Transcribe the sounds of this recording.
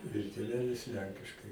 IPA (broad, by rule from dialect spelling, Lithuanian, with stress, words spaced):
ɪr tʲeːˈʋʲæːlʲɪs ˈlʲɛŋʲkʲɪʃkɐɪ